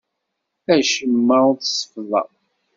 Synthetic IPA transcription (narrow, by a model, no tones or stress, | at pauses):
æʃəmːəθsə̥fðˤɑ̰